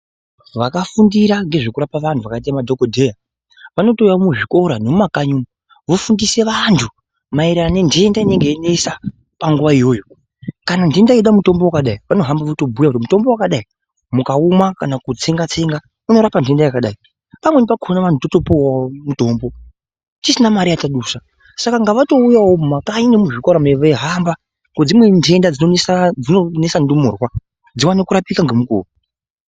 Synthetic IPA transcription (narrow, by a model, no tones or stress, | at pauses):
ʋakafundiɾaŋɡe̞ʐe̞kuɾapaʋantʰuʋakait̬amadʱokodʱe̞ja | ʋano̞tojamuʐiko̞ɾanomumakaɲuːnu | ʋofundise̞ʋantʰu | maiɾanendeendaine̞ŋɡeinesa | paŋɡuʋaijo̞ːjo̞ | kanandendaiɗamuto̞mbo̞wakaɗaiʋano̞ɦambaʋoto̞bʱujakutimuto̞mbo̞wakaɗai | mukaumwakanakut͡se̞ŋɡat͡se̞ŋɡa | uno̞ɾapantʰe̞ndajakaɗai | pamwenipakʰonaʋan̤utoto̞powamuto̞mbo̞ | t͡ʃisinamaɾijataɗusa | sakaŋɡaʋato̞ujawomumakainemuʐikaɾameʋeɦamba | ŋɡod͡zimwe̞ndʰe̞ndad͡zinosad͡zinone̞sandumoːrwa | d͡ziwanekuɾapikaŋɡemuko̰u